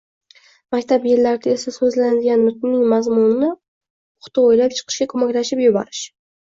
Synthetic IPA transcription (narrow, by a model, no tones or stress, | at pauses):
makʲt̪ʰapjeɾlaɾɪd̪ae̞sasɵzlanad̪ɪɡʲanmʊt̪nɪnɪŋmazmʊnɪnɪ | ʊχt̪ɪojlap̚t͡ʃʰɨ̥qʰɨ̥ʃɡʲakʰɵmakʲlaʃɪpjʊbɒ̰ɾɪʃ